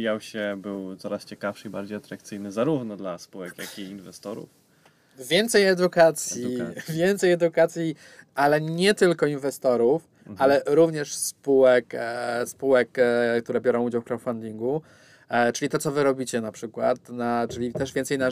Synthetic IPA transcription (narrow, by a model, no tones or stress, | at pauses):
jawɕɛbɘwt̪sɔɾast͡ɕɛkafʂɘiba̰ɾd͡ʑejat̪ɾakt̪sɘjnɘzaɾuvnɔd̪laspuwɛkja̰kiːnvɛst̪ɔɾṵf | vʲjɛnt̪sɛjɛd̪ukat̪sʲjjivʲjɛnt̪sɛjɛd̪ukat̪sʲji | alɛɲɛt̪ɘlkɔinvɛst̪ɔɾuf | alɛɾuvɲɛʂspuwɛkspuwɛkkt̪uɾɛbʲjɔɾɔ̃w̃ud͡ʑawfkɾɔfand̪ʲiŋɡu | t͡ʂɘlʲit̪ɔt̪ɔvɘɾɔbʲit͡ɕɛnapʂɘkwat̪nat͡ʂɘlʲit̪ɛʐvʲjɛnt̪sɛjna